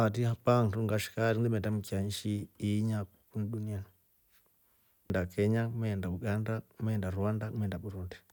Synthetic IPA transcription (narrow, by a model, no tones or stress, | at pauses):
at̬ihapantuŋɡaʃi̥kaɾindimɛtam̩ukiaɲʃiiɲa | kunɗunia | ɛndakɛɲamɛndaɓuɡandamɛndaɾwandamɛndaɓuɾundi̥